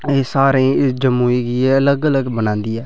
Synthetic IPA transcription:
eːsaːɾẽːɪd͡ʒəmuːiɡieələɡələɡbənãːnd̪iːɛː

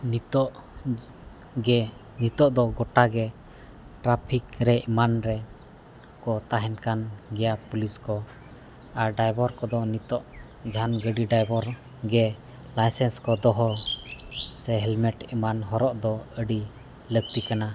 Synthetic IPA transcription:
nit̪ɔʔ | ɡɛ | nit̪ɔʔd̪ɔɡɔʈaɡɛ | ʈɾapʰikɾɛʔmanɾɛ | kɔt̪aɦɛnkanɡɛjapuliskɔ | aɾɖajbɔɾkɔd̪ɔnit̪ɔʔ | d͡ʒʱanɡəɖiɖajbɔɾ | ɡɛ | lajsɛnskɔd̪ɔɦɔ | sɛɦɛlmɛʈɛmanɦɔɾɔʔd̪ɔəɖi | ləɡ̚t̪ikana

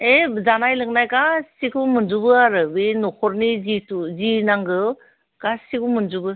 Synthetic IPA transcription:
ezanajlɯŋnajkasikʰumɯnzubɯaɾɯbenɔkʰɔɾnizituzinaŋɡɯ | kasikʰumɯnzubɯ

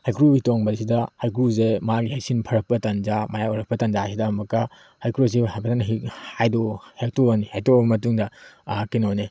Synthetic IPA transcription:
hajkɾuhitoŋbɐɾsidɐhajkɾuzemaɡihajsinpʰɐɾɐk̚pɐtɐnzamajauɾɐk̚pɐtɐnd͡ʒasidɐmɐkɐ | hajkɾus̬iajpʰɐtanɦihajdohek̚toanihajtɔbɐmɐtuŋdɐkinone

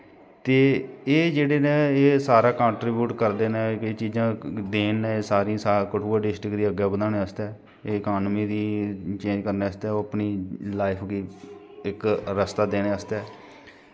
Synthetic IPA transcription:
t̪eːeːd͡ʒeːɽeːnẽːeːsaːɾaːkãːɳʈɾiːbjuːʈkəɾd̪eːnɛ̃ːeːt͡ʃiːd͡ʒãːd̪eːnːɛ̃ːeːsaːɾĩãːsaːkəʈʰuːaːɖɪsʈɾɪkd̪iːəɡɛːbəd̪aːneːəst̪ɛː | eːɪkaːnmiːd̪iːt͡ʃẽːd͡ʒkəɾneːəst̪ɛːoːəpniːlaːɪpʰɡiː | ɪkɾəst̪aːd̪eːneːəst̪ɛː

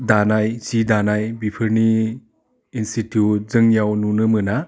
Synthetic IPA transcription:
danajsidanajbipʰɯɾniː | nstitjut̚zɯŋjawnunɯmɯna

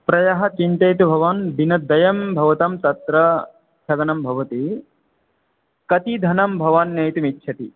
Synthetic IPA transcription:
pɾɐjɐɦɐt͡ʃint̪ɐjt̪ubʱɐʋɐnd̪inɐd̪ɐjɐmbʱɐʋɐt̪ɐmt̪ɐt̪ɾɐ | t͡ʃʰɐɡɐnɐmbʱɐʋɐt̪i | kɐt̪id̪ʱɐnɐmbʱɐʋanjɐjt̪umitːʃʰɐt̪i

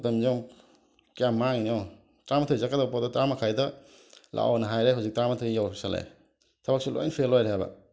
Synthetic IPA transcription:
tɐmziom | kijamːaŋiniɔw | tɾamatʰojzakadabpɔdɔtɾamakʰajdɐ | lʔa̰wnɐɦajɾeɦawzik̚tɾamatʰojjawsalḛj | tʰabak̚silʔo̰jnpʰelːojɾɦajbɐ̰

